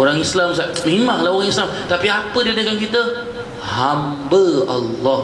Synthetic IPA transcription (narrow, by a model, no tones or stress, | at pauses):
oɾaŋislamsamimaŋlaɦoɾaŋislamt̪apiapədədəkankit̪ə | hambəalːɔ